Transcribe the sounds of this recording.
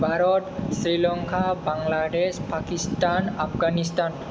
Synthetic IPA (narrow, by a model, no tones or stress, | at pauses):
bʱaɾɔtsɾilɔŋkʰabaŋlaɖespakistanapʰɡanistan